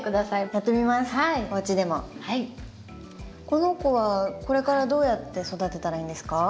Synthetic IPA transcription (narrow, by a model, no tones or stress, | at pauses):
kɯd̪asaijat̪ːemʲimasɨ̥aioβat͡ɕid̪e̞mo̞hai | ko̞no̞ko̞βako̞ɾe̞kaɾad̪o̞ːjat̪ːe̞so̞d̪at̪e̞t̪aɾaĩnd̪e̞sɨ̥ka